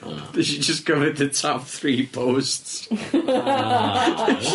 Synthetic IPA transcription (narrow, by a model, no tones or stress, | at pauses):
ʃid͡ʒʌsɡ̥oɨt̪̚ðɨtʰɔp̚θɹipʰoʊsts